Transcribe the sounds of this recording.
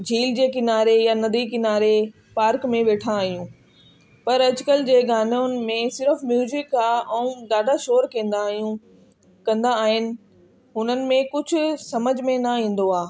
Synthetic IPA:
d͡ʑʱiːld͡ʑeːkɪnaːɾejanɐd̪ikɪnaːɾe | paːɾkmẽʋeːʈʰãaːɦijũː | pɐɾɐd͡ʑkəld͡ʑeːɡaːnaʊnɪ̆mẽsɪɾəfmjuːzɪkaːɛ̃ːɡaːɖʱaʃoːɾkĩːnd̪ajũ | kɐ̃nd̪aːɦɪnɪ̆ | ɦʊnənɪ̆mẽkʊd͡ʑʱʊ̆sɐməd͡ʑʱmẽnɐĩːn̆d̪oaː

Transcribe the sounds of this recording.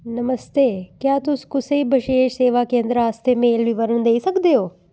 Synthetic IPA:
nəməst̪eːkjaːt̪ʊskʊseibʱəʃeːʃseːʋakẽːnd̪ɾəaːst̪ʰemeːlʋɪʋəɾəɳd̪eːisəkd̪eoː

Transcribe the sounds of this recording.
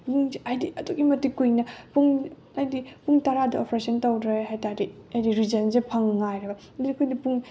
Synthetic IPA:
buŋajdiɐduɡimɐtikujnɐpuŋ | ajdipuŋtɐɾadɐopʰɾesɐntɐwdɾeɦajtaɾiɐjdiɾizɐnzepʰɐŋːajɾɐbɐ | ɐdiɐkʰujnipuŋ

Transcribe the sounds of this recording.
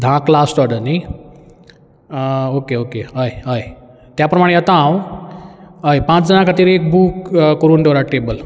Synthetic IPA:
d̪ʱãklasʈɔɖənaj | okeokeɦəjɦəj | t̪japɾəmaɽ̃ejət̪ãɦãw | əjpãt͡sd͡zənakʰat̪iːɾek̚buːkkəɾuːnd̪ewɾaʈebəl

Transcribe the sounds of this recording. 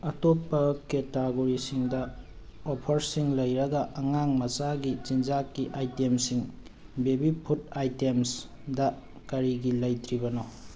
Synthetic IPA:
ɐtopːɐketaɡoɾisiŋdɐ | opʰɐɾsiŋlɐjɾɐɡɐʔɐŋaŋmɐsaɡit͡ʃind͡ʒakːiʔajtemsiŋ | bebipʰutajtems | dɐ | kɐɾiɡilɐjtɾibɐno

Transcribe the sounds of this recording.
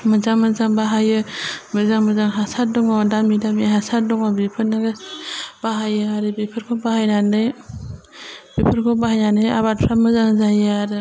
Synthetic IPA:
mɯzamɯzaŋbaɦajɯmɯzaŋmɯzaŋɦasat̚dɔŋɔdamidamiɦasat̚dɔŋɔbipʰɯɾnɯɡab̥aɦajɯaɾɯbipʰɯɾkʰɔbaɦajnanɯj | bipʰɯɾkʰɔbahajnanɯja̰βat̚pʰɾamɯzaŋzajɯaɾɯ

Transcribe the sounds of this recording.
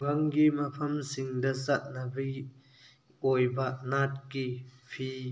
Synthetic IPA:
ɡɐŋɡimɐpʰɐmsiŋdɐsɐt̚nɐbij | ojbɐʔnat̚kipʰi

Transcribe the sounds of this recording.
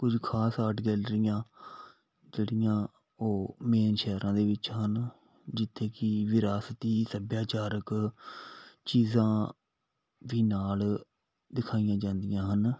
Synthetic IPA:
kʊd͡ʒkʰaːsaːʈɡɛːlɖɾɪjãː | d͡ʒeːɽijãː | oːmeːnʃɛːɾãːd̪eːʋɪt͡ʃɦən | d͡ʒɪt̪ʰːeːkɪʋɪɾaːst̪iːsəbjaːt͡ʃaːɾək | t͡ʃiːzãː | ʋiːnaːl | d̪ɪkʰaːijãːd͡ʒãːnd̪ɪjãːɦən

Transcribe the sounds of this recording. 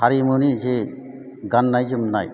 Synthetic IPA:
haɾimonid͡ʒe | ɡanːajd͡ʒɯmnaj

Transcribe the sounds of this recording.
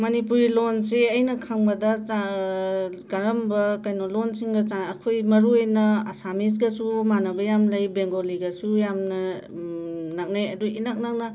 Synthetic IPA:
mɐnipuɾilonseɐjnɐkʰaŋbɐdɐa | ɡaɾɐmbɐkajnolonsiŋɡɐt͡ʃaːkʰojmɐɾuejnɐasamis̬ɡasumanɐbɐjamlɐjbeŋɡoliɡasujamnɐ | nak̚najɐduinak̚nak̚nɐ

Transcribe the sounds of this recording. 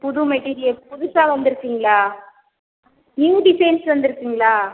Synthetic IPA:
pʊðumɛʈːiːɾɪjɐlpʊðʊsãːʋɐnd̪ɯɾɯkːiːŋɡɐɭaː | niːɖɪsɐjnsʋɐnd̪ɯɾɯkːiːŋɡɐɭaː

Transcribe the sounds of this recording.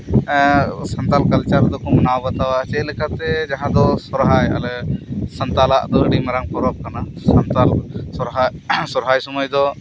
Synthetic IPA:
sənt̪alkalt͡ʃaɾd̪ɔkɔmanabət̪awat͡ʃɛt̪̚lɛkʰat̪ɛd͡ʒaɦãd̪ɔsɔɾɦaja̰lɛsənt̪alaʔd̪ɔəɽimaɾaŋpɔɾɔb̚kanasənt̪alsɔɾɦajsɔɾɦajsɔmajd̪ɔ

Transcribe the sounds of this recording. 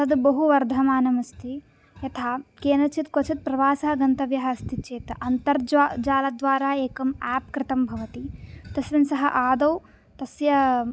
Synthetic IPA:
ɐd̪bɐɦuʋɐɾd̪ʱɐmaːnɐmɐst̪ʰi | jɐt̪ʰaːkeːnɐt͡ʃʰit̪kot͡ʃʰit̪̚pɾɐʋaːsɐɦɐɡɐnt̪ɐʋjɐɦɐːst̪ʰit͡ʃeːt̪ɐʔɐnt̪ɐɾd͡ʒaːlɐd̪ʋaːɾaːeːkɐmaːp̚kɾɪt̪ɐmbʱɐʋɐt̪it̪ɐsʋɐnsɐɦɐ̰ʔaːd̪ɐw | t̪ɐsjɐ

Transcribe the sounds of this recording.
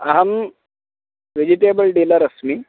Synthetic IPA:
ɐɦəm | ʋed͡ʑiʈebəlɖiləɾəsmi

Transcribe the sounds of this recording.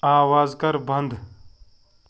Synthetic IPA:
aːwaːzkɐɾbɐnd̪

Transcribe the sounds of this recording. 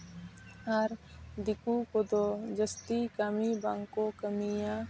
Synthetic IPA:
aɾd̪ikukɔd̪ɔd͡ʒəst̪ikamibaŋkɔkəmija

